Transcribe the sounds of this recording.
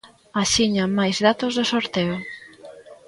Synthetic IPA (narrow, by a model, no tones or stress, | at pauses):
aʃiɲamːajzðat̪ozðosoɾt̪eʊ